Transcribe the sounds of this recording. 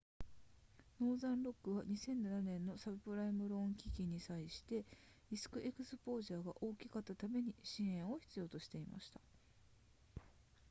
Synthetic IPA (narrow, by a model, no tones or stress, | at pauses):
no̞ːzãnɾo̞kːɯ̟βaɲ̟isẽ̞nnananẽ̞nːo̞sabɯ̟pɯ̟ɾaimɯ̟ɾõ̞ŋkʲikʲiɲ̟ːisaiɕi̥t̪e̞ | isɨ̥kɯ̟ʔe̞kɯ̟sɨpo̞ːʑaːɡa̰ʔo̞ːkʲikat̪ːat̪ame̞ɲ̟iɕĩɰ̃ẽ̞ɰ̃o̞çi̥t͡sɨjo̞ːt̪o̞ɕi̥t̪e̞ima̰ɕi̥t̪ḁ